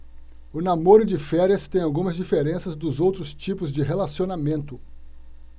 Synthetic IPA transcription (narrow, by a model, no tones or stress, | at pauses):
ʊnamoɾʊd͡ʒɪfɛɾiɐst̪ẽj̃awɡũmɐzd͡ʒifeɾẽsɐzd̪ʊzowt̪ɾʊst͡ʃipʊzd͡ʒɪɦelasionamẽnt̪ʊ